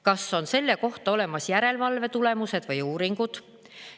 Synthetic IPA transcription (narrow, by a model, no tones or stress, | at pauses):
kɑsːo̞nse̞lːe̞ko̞ht̪ɑo̞le̞mɑsjæɾe̞lvɑlve̞t̪ule̞muse̞d̪̥vɯjuːɾiŋɡ̥ud̪̥